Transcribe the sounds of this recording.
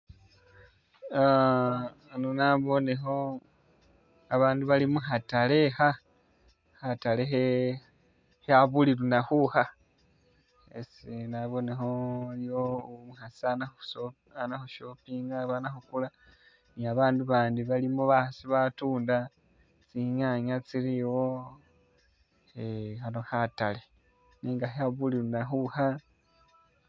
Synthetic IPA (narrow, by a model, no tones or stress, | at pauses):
a | nonaβo̞ne̞xo̞ | aβaːnduβalimuxatale̞xa | hatalexe | haβulilunaxuha | ḛsinaβo̞ne̞xo̞jomuxasanaxso | anaxuʃo̞piːŋɡaβanaxukula | niaβaːnduβaːndiβalimoβasiβatuːnda | t͡siɲaɲat͡siɾiwo | exanohatale̞ | niːŋɡaheaβulilunaxuha